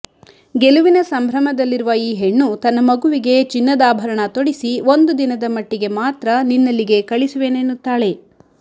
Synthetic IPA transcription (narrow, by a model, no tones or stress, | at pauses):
ɡeluʋinɐsɐmbʱɾɐmɐd̪ɐlːiɾuʋɐiːɦeɳːut̪ɐnːɐmɐɡuʋiɡe̞t͡ʃinːɐd̪aːbʱɐɾɐɳɐt̪oɽisiʋo̞nd̪ud̪inɐd̪ɐmɐʈːiɡe̞maːt̪ɾɐninːɐlːiɡe̞kɐɭisuʋe̞ːnenːut̪ːaːɭe̞